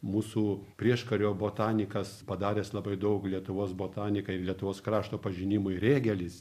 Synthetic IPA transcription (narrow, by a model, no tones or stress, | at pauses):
muːsuːpʲɾʲiɛʃkɐɾʲoːboːt̪ɑːnʲɪkɐspɐd̪ɑːɾʲeːslˠɐbɐɪd̪ɐʊklʲiɛt̪ʊʋoːsboːt̪ɑːnʲɪkɐɪlʲiɛt̪ʊʋoːskɾɑːʃt̪oːpɐʒʲɪnʲɪmʊɪɾʲeːɡʲɛlʲɪs